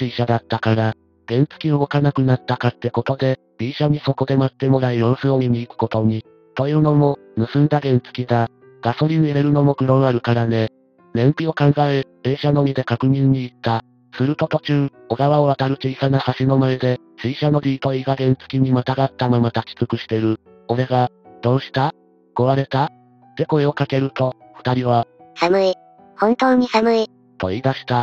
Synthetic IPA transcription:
t͡ɕɨiɕad̪at̪ːakaɾa | ɡ̥ẽ̞nt͡sɨ̥kʲioːkanakɯ̟nat̪ːakat̪ːe̞ko̞t̪o̞d̪e̞ | bʲiːɕaɲ̟iso̞ko̞d̪e̞mat̪ːe̞mo̞ɾaijoɾsooɲ̟iɲʲiːkɯ̟̥ko̞t̪o̞ɲ̟i | t̪o̞jɯ̟ːno̞mo̞ | nɯ̟sɨ̃nd̪aɡẽ̞nt͡sɨ̥kʲid̪a | ɡ̥aso̞ɾʲin̟eɾeɾɯ̟no̞mo̞ɡɯ̟ɾõɰ̃aɾɯ̟kaɾane̞ | nẽ̞mpʲio̞kãŋɡaebe̞ːɕano̞mʲid̪e̞kakɯ̟mʲĩɲ̟ːiːt̪ːa | sɨɾɯ̟t̪o̞t̪o̞t͡ɕɨː | o̞ɡaβaoβat̪aɾɯ̟t̪eisanahaɕino̞maed̪e̞ | sɨiɕano̞ɾʲiːt̪o̞iɡaɡẽ̞nt͡sɨ̥kʲiɲ̟imat̪aɡat̪ːamamat̪at͡ɕi̥t͡sɨkɯ̟ɕi̥t̪e̞ɾɯ̟ | o̞ɾe̞ɡa | d̪̥o̞ːɕi̥t̪a | ko̞βaɾe̞t̪a | t̪e̞ko̞eo̞kake̞ɾɯ̟t̪o̞ | ɸɯ̟̥t̪aɾʲiβasamɯ̟i | hõnt̪o̞ːɲ̟isamɯ̟i | t̪o̞id̪aɕi̥t̪a

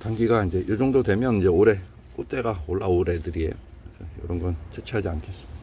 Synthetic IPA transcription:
taŋɡiɡaind͡ʑe̞jʔod͡ʑʌŋdodwe̞mjʌnind͡ʑe̞oɾe̞ | k͈ot͈e̞ɡaoɭːaoɾedɯɾie̞̰jkɯɾesʰʌjʌ̰ɾʌnɡʌnt͡ɕʰet͡ɕʰiɦad͡ʑiankʰe̞s͈ɯmi̥a

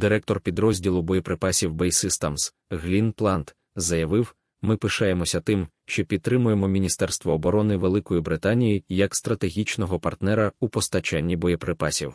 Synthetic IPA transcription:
d̪ɪɾɛk̚t̪ɔrpʲid̪ɾɔzʲdʲilˠʊbɔjɔpɾɪpɑsʲiwbɛjsɪst̪ɐms | ɣlʲinplˠɑnt̪ | zɐjɐʋɪw | mɪpɪʃɑjemɔsʲɐt̪ɪmʃt͡ʃɔpʲid̪̚t̪ɾɪmʊjemɔmʲinʲist̪ɛrst̪ʋɔːbɔɾɔnɪʋelˠɪkɔjibɾɪt̪anʲijijɐkst̪ɾɐt̪e̞ɦʲit͡ʃnɔɦɔpɐrt̪nɛɾɐupɔst̪ɐt͡ʃanʲːibɔjɔpɾɪpɑsʲiw

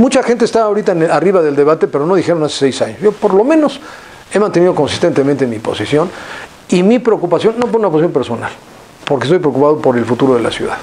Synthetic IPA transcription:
mut͡ʃaxe̞nt̪est̪aβaoɾit̪aeneariβaðe̞ld̪e̞βat̪e̞pe̞ɾo̞no̞ðixe̞ɾo̞nase̥sejsaɲosʝo̞po̞ɾlo̞mẽ̞no̞s | e̞mãnt̪e̞nið̞o̞ko̞nsi̥st̪e̞nt̪e̞mẽnt̪emipo̞sisjo̞n | imipɾeokupasjo̞nːo̞p̬oɾunaposisjompe̞ɾso̞na̰l | poɾkest̪ojpɾeokupað̞opo̞ɾe̞lfut̪uɾo̞ð̞ela̰sjṵða̰ð

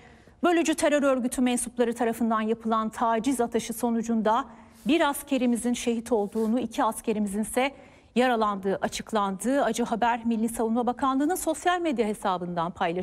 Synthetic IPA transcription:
bø̞lʲyd͡ʒyt̪ʰe̞ɾøɾø̞ɾɟyt̪ʰymɛnsuplˠaɾɯt̪ʰaɾafɯnd̪anjapʰɯlˠant̪ʰaːd͡ʒizat̪ʰaʃɯso̞nud͡ʒund̪a | biɾascʰe̞ɾimizinʃe̞ɦit̪ʰo̞lˠd̪uːnuicʰiascʰe̞ɾimizinsɛ | jaɾalˠand̪ɯːʔat͡ʃʰɯ̥klˠand̪ɯːad͡ʒɯɦabæɾmilʲːisavunmabakʰanlˠɯːnɯnso̞sjalʲmed̪jaɦe̞saːbɯnd̪anpʰajlˠa

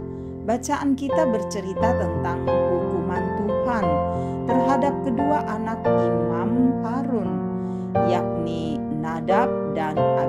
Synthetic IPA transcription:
bat͡ʃaʔankit̪abərt͡ʃəɾit̪at̪ənt̪aŋhuɡumant̪uhant̪ərɦadap̚kəduaʔanak̚bəɾumamupaɾʊn | jak̚ni | nadap̚dana

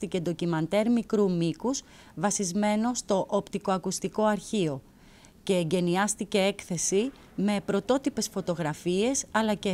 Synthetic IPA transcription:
t̪icend̪o̞cimɐnt̪e̞ɾmikɾumikuz | vɐsizme̞no̞st̪o̞ʔːpt̪iko̞ɐkust̪iko̞ɐɾçio̞ | ce̞ːɲɟe̞niɐst̪ice̞e̞kθe̞si | me̞pɾo̞t̪o̞t̪ipe̞sfot̪o̞ɣɾɐfie̞sɐlɐce

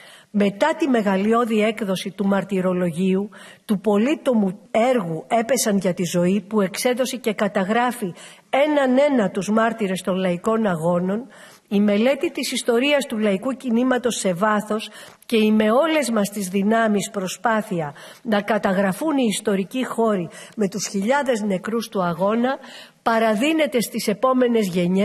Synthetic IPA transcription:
me̞t̪ɐt̪ime̞ɣɐlio̞ðie̞kðo̞sit̪umɐɾt̪iɾo̞lo̞ʝiu | t̪upo̞lit̪o̞mue̞ɾɣue̞pe̞sɐnʝɐt̪izo̞ipue̞kse̞ðo̞sece̞kɐt̪ɐɣɾɐfi | e̞nɐne̞nɐt̪uzmɐɾt̪iɾe̞st̪o̞nlɐiko̞nɐɣo̞no̞n | ime̞le̞t̪it̪isist̪o̞ɾiɐst̪ulɐikucinimɐt̪o̞se̞vɐθo̞s | ce̞ime̞o̞le̞zmɐst̪izðinɐmispɾo̞spɐθiɐ | nɐkɐt̪ɐɣɾɐfuniːst̪o̞ɾicixo̞ɾime̞t̪usçiʎɐðe̞zne̞kɾust̪uɐɣo̞nɐpɐɾɐðine̞t̪e̞st̪ise̞po̞me̞ne̞zʝe̞ɲe

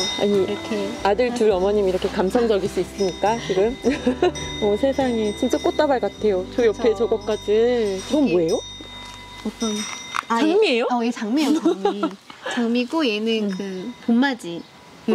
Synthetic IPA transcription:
a̰ɲikʰeadɯɭtuɾʌmʌɲimiɾʌkʰekamsʰʌmd͡ʑʌɡiɭs͈uis͈ɯmɲik͈at͡ɕiɡɯm | ʌsʰe̞sʰaŋit͡ɕint͡ɕ͈ak͈ot͈̚abaɭkatʰe̞jot͡ɕʌjʌpʰe̞t͡ɕʌɡʌk͈ad͡ʑit͡ɕʌmboe̞jo | ʌt͈ʌnat͡ɕaŋmie̞joʌet͡ɕaŋmieamit͡ɕaŋmiɡoenɯnkɯponmad͡ʑi | kɯ

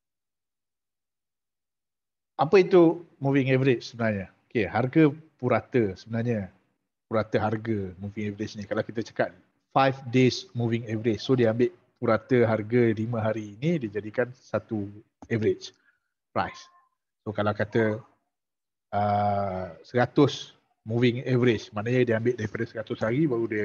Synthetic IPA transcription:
apəit̪umũvɪŋɛvəɾɪt͡ʃsəbənarɲəokeɦarɡəpuɾat̪əsəbənarɲə | puɾat̪əɦarɡəmuviŋɛvəɾɪt͡ʃnĩkalawkit̪ət͡ʃə̥kat̪̚ | fajfdesmuvɪŋɛvəɾɪt͡ʃsodiambɪʔ | puɾat̪əɦarɡəlimə̃ɦaɾiːnidid͡ʒadikansat̪u | ɛvəɾɪt͡ʃ | pɾa̰jsː | okalawkat̪ə | ə | səɾat̪ʊs | mũvɪŋɛvəɾɪt͡ʃmanaɲədiambɪʔ̪̚daɾipadəsəɾat̪ʊshaɾibaɾudi

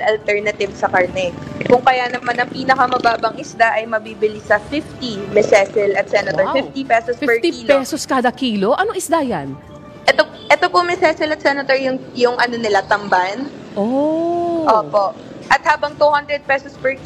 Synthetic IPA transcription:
ɐlt̪ɛɹnɐt̪ɪvsɐkɐɹnɛkʊŋkɐjanɐmanɐŋpiːnɐkɐmɐbaːbɐŋʔɪsd̪aʔɐjmɐbiːbɪlisɐfɪft̪imɛsɛsɛlɐt̪sɛnɐt̪oɹfɪft̪ipɛsospɛɹkt̪iilpɛsoskaːd̪ɐkiːlo̞ʔɐnoŋɪsd̪ajan | ʔɛt̪o | ʔɛt̪opomɛsɛsɛlɐt̪̚sɛnɐt̪oɹjʊŋjʊŋʔɐnonɪlat̪ɐmban | ʔo | ʔoːpo̞ʔ | ʔɐt̪̚haːbɐŋt̪uhɐnd̪ɾɛd̪̚pɛsospɛɹ

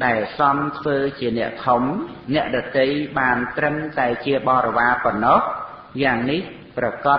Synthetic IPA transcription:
ɗaɛlsɑmt̪ʰʋəːt͡ɕiənɛ̆əʔkʰumnɛ̆əʔɗɑt̪əjɓaːnt̪rəmt̪aɛt͡ɕiəɓɑːɾɔʋaːpɔnːɔh | jaːŋnih | prɑkɑ

